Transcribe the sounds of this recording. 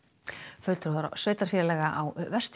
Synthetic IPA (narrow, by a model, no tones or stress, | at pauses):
fœlt̪ɾoðɾ̰sœːɥt̪aɾ̥fɛɾɪlɛːɣaʔawvɛr̥st̪